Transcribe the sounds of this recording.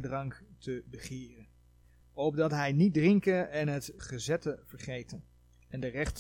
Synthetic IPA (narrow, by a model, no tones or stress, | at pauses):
drɑŋktʰəbəχɪːrən | ɔb̚dɑtɦɛjnit̚drɪŋkənɛnɦətχəzɛtəv̥əɹχejtən | ɛndərɛχt